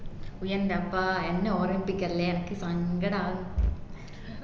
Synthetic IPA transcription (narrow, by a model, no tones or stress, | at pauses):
ʊjɐnd̪ɐpːaːɛnːɐɔɾɐpːɪkːɐleɾkːɯsaːŋɡɐɽaː